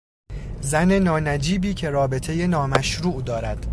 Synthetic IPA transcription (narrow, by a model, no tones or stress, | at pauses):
zæne̞nɒːnæd͡ʒiːbiːcʰe̞ɾɒːbe̞t̪ʰe̞je̞nɒːmæʃɾuːʔd̪ɒːɾæd̪̥